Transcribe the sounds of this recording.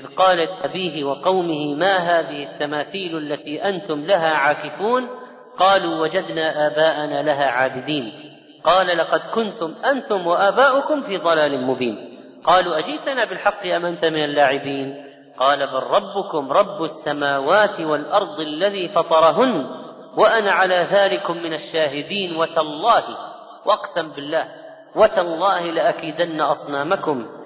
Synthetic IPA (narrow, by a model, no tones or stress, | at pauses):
ʔɪðqɑːlat̪ʔabiːɦɪwɑqɑwmɪhɪmaːɦaːðɪhɪt̪ːamaːθiːlʔalːat̪iːʔant̪ʊmlaɦaːʕaːkɪfuːn | qɑːluːwad͡ʒad̪naːʔaːbaːʔanaːlaɦaːʕaːbɪd̪iːn | qɑːlalɑqɑd̪kʊnt̪ʊmʔant̪ʊmwaʔaːbaːʔʊkʊmfiːðˤɑlaːlɪmʊbiːn | qɑːluːʔad͡ʒɪʔt̪anaːbɪlħɑqːɪʔamʔant̪amɪnalːaːʕɪbiːn | qɑːlabɑrˤːɑbːʊkʊmɾˤɑbːasːamaːwaːt̪ɪwalʔɑɾˤd̪ˤalːaðiːfɑt̪ˤɑɾˤɦʊnː | waʔanaʕalaːðaːlɪkʊmːɪnaʃːaːɦɪd̪iːnwat̪alˤːɑːh | wʔɑqsambɪlːaːh | wat̪alˤːɑːhɪlɪʔakiːd̪anːaʔɑsˤnaːmakʊm